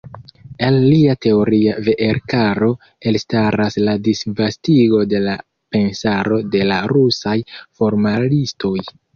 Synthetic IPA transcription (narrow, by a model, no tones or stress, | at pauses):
elːiate̞o̞ɾiave̞ʔeɾkaɾo̞ | e̞lstaɾasladisvastiɡo̞de̞la | pe̞nsaɾo̞de̞laɾusajfo̞ɾmalisto̞j